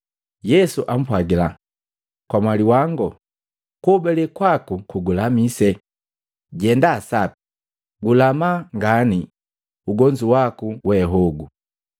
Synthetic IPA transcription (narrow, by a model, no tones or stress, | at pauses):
jɛsuʔam̩pwaɡila | kwamwaliwaŋɡɔ | kɔbɛlɛkwakukuɡulamisɛ | ɟɛndasapi̥ | ɡulamaŋɡani | uɡɔɲd͡ʒuwakuwɛɦɔɡu